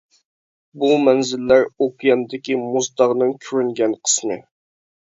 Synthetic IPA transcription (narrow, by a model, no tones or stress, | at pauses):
bumɛnzɪlːæɾokjɛnd̪ɪkʲimuzd̪ɑʁnɨŋkʲʰøɾyŋɡʲɛnqʰə̥snɨ̰